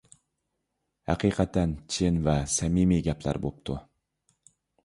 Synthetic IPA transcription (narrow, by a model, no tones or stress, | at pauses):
hæqʰiqʰæt̪ænt͡ʃʰɪnvɛsɛmimiɡʲɛpʰlæ̰ɾbo̰p̚t̪ʰu